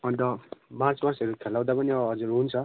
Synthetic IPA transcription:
ʌnd̪ʌmart͡swʌrsʌɾukʰelːaw̃d̪apʌniʌɦʌd͡zuɾɦunt͡sʰʌ

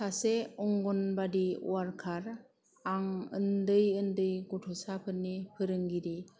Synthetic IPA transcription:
aseɔŋɡɔnbadiṵaɾkʰaɾ | aŋɯ̰ndɯjɯndɯjɡutʰɔsapʰɯnːipʰɯɾɯŋɡiɾi

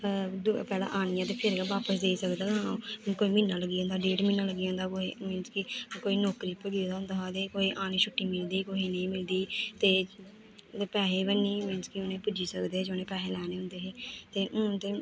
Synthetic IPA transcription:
pɛːlã̰ːʔaːnɪjãːt̪̬eːpʰɪɾɡaʋaːpəsd̪eːisəkd̪aːɡãːõːkoːiːmɪnːãːləɡiːõːnd̪aːɖeːɖmɪ̃ːnãːləɡiːõnd̪aːkoimɪːnskikoːiːnɔːkɾiːpəɡiːd̪aːɦʊ̃nd̪aːɦaːd̪eːkoːiːʔaːñĩːt͡ʃʰʊʈːiːmɪld̪iːkoːɦiːnə̃ĩːmɪld̪iːt̪eː | pɛːɦeːbənːiːmenskioːnẽːpʊd͡ʒiːsəkd̪eːeːd͡ʒoːnẽːpɛːɦeːlɛːneːʊ̃nd̪eːɦeːt̪eːt̪eː

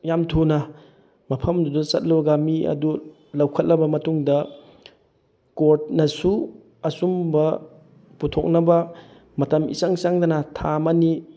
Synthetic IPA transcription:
jamtʰunɐ | mɐpʰɐmdudusɐt̚lɐbɐɡamiɐ̰du | lɐwkʰɐt̚lɐbɐmɐtuŋdɐ | kot̚nɐsu | ɐsumbɐ | putʰok̚nɐbɐ | mɐtɐmḭsaŋsaŋdɐnɐtʰamɐni

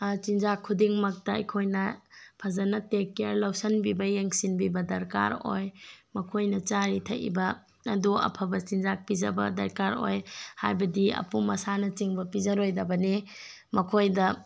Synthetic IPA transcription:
t͡ʃinzakʰːudiŋmɐk̚tɐɐ̰jkʰojnɐpʰɐzɐnɐtekːeɾlɐwsɐnbibɐjeŋsinbibɐdɐɾka̰ɾo̰jmɐkʰojnɐt͡ʃaɾitʰɐ̰ʔḭbɐː | duɐ̰pʰɐbɐt͡ʃinzak̚pizɐ̰bɐ̰dɐ̰ɾkaɾo̰jha̰jbɐdiɐ̰pumɐsanɐt͡ʃiŋbɐpizɐɾojdɐbɐne | mɐkʰojdɐ

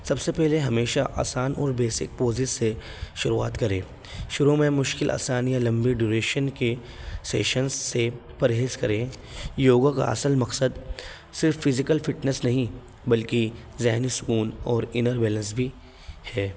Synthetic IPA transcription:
sɐbsepɛɦleɦɐmeːʃaʔa̰ːsaːnɔ̰ːɾbeːsɪ̰k̚poːzɪsːe | ʃʊɾua̰ːt̪kɐɾẽː | ʃʊɾumẽmʊʃkɪlʔa̰ːsaːnijalɐ̃mbiɖuːɾeːʃənke | sḛːʃənsːepɐɾɦeːskɐɾẽjoːɡaka̰ɐ̰səlmɐqsəd̪ | sɪɾfːɪzɪkəlfɪʈnəsnɐɦĩ | bɐlkizɛɦnisʊkuːnɔːɾɪnəɾbɛːlə̃nsbʱi | hɛː

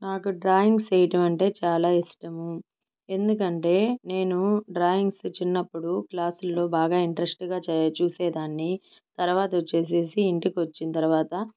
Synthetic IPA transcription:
naːkuɖɾaːjiŋɡsejiʈɐmɐɳʈe̞ːt͡ʃaːlaːisʈɐmu | e̞nd̪ukɐɳʈe̞ːne̞ːnuɖɾaːjiŋɡst͡ʃinːɐpːuɽuklaːsulːo̞ːbaːɡaːiɳʈɾesʈɡaːt͡ʃuːsɛːd̪aːnːi | t̪ɐɾʋaːt̪ɐʋot͡ʃːe̞ːs̬e̞ːsiːɳʈikiʋɐt͡ʃːint̪ɐɾuʋaːt̪ɐ

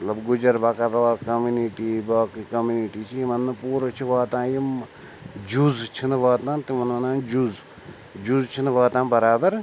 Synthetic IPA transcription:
ɐt̪lɐbɡʊd͡ʒɐɾbaːkɐɾɐaːkɐmuniʈiːbaːkikɐmuniʈiːt͡ʃʰiimɐnːɐpuːɾot͡ʃʰiʋaːt̪ãːjim | d͡ʒuzt͡ʃʰinʋaːt̪ãːt̪imɐnɐnaːd͡ʒuz | d͡ʒuzt͡ʃʰinʋaːt̪ãːbɐɾaːbɐɾ

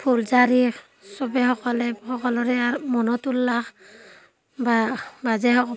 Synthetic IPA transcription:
pʰulzaɾi | sɔbɛxɔkɔlɛhɔkɔlɔɾɛamɔnɔtulːax | babazɛhɔkɔ

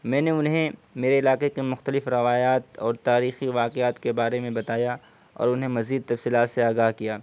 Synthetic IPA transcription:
mɛ̃ːneʊnɦẽmeːɾeɪlaːqekemʊxt̪əlɪfɾɐʋaːjaːt̪ɔːɾt̪aːɾiːxiʋaːqeaːt̪kebaːɾemẽbɐt̪aːja | ɔ̰ːɾʊnɦẽmɐziːd̪̚t̪ɐfsiːlaːt̪seaːɡaːɦkijaː

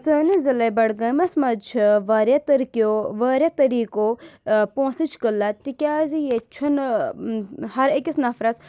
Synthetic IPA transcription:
səːnizɐlɐbɐɽɡɐmɐsmɐt͡ʃʰʋaːɾjat̪ɐɾkijoʋaːɾʲjat̪ɐɾiːkopõːsit͡ʃʰkəlːat̪ikʲaːzijet͡ʃʰun | ɦɐɾekʲisnɐfɾɐs

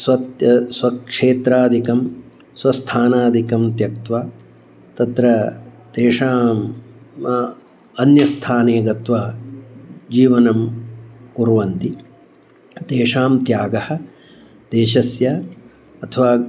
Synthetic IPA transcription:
sʋɐt̪jɐsʋɐkʂeːt̪ɾaːd̪ʱikɐm | sʋɐst̪ʰaːnaːd̪ʱikɐmt̪jɐk̚t̪ʋaː | t̪ɐt̪ɾɐ | t̪eːʂaːm | ɐnjɐst̪ʰaːneːɡɐt̪ʋaː | d͡ʒiːʋɐnɐmkuɾʋɐnt̪i | t̪eːʂaːmt̪jaːɡɐhɐ̆ | t̪eːʃɐsjɐ | ɐt̪ʰɐʋaː

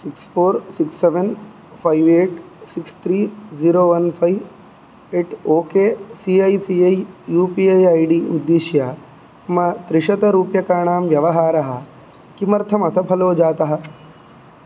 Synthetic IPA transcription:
sikspʰoːɾsiksːeʋen | pʰajʋeːʈsikst̪ʰɾiːziːɾoːʋɐnpʰɐjʋ | eːʈoːkeːsiːɐjsiɐjjuːpiːejaːjɖiːud̪ːiʃjaː | mɐt̪ɾɪʃɐt̪ɐɾuːpjɐkaːɳ̃aːmʋjɐʋɐɦaːɾɐɦɐ | kimɐɾt̪ʰɐmɐsɐpʰɐloːd͡ʒaːt̪ɐɦɐ̆

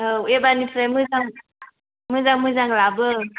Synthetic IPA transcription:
əebanĩfɾɛ̃muzã | mũzãmũzãɡlabə

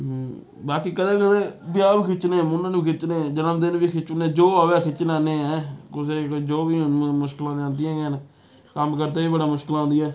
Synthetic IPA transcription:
baːkiːkəd̪ẽːkəd̪eːb̪ɪjaːbiːkʰɪt͡ʃːnẽːmʊnãːñːkʰɪt͡ʃneːd͡ʒənəmd̪ɪnbiːkʰɪt͡ʃneːd͡ʒoːaʋaːkʰɪt͡ʃnãːneːɛːkʊseːkd͡ʒoːbiːmʊʃklãːd̪eãːnd̪iãːɡɛn | kəmkəɾd̪aːiːbəɽaːmʊʃkɪlãːnd̪ːɛː

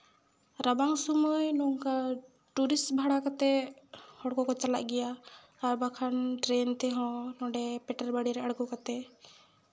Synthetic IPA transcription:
ɾabaŋsɔməjnɔŋka | ʈuɾisbʱaɽakat̪ɛhɔɽkɔkɔt͡ʃala̰ʔ̚ɡɛjaː | ɾbakʰanʈɾɛnt̪ɛɦɔ̃nɔ̃ɖɛpɛʈaɾbaɽiɾɛaɽkɔkat̪ɛ

